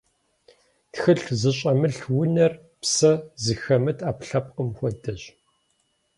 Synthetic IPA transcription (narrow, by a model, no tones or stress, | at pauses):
txɨɬzɨɕʼɐmɨɬwʊnɐr | psɐzɨxɐmɨtʰaːpɬɐp̚ʼqəmxʷɔdɐʑ